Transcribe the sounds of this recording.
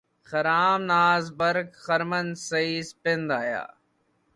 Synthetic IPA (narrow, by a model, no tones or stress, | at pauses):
xɐɾaːmnaːzbəɾkxəɾmənsɐiːspɪnd̪aːja̰ː